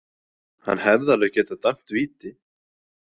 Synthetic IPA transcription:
ha̰nːhɛvðalœɣcɛːt̪at̪am̥t̪viːt̪ɪ

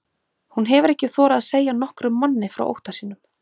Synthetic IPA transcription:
hunɦɛvʏɾɛhcɪθɔːɾaðaðseːjanɔhkɾʏmːanːɪfɾa̰wʔo̰wht̪asiːnʏm

